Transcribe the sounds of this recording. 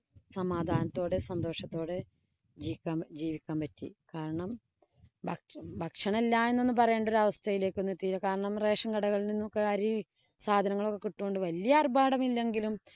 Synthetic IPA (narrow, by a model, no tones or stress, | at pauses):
sɐmaːd̪ʱaːnɐt̪ːo̞ːɽɨsɐnd̪o̞ːʂɐt̪ːo̞ːɽɨ | d͡ʑiːkʲːaːmd͡ʑiːʋikʲːaːmpɐtːḭkaːɾɐɳɐm | bʱɐbʱɐkʂɐɳelːaːe̞nːenːɨpɐrɐjeːɳɖo̞ɾuɐʋɐst̪ʰɐjile̞ːkːonːet̪ːijilːɐkaːɾɐɳɐmre̞ːʂɐŋɡɐɽɐɣɐɭilninːokːeɐɾi | saːd̪ʱɐnɐŋːɐɭo̞kːe̞kiʈːoːɳɖɨʋɐlijarbaːɽɐmilːe̞ŋɡilum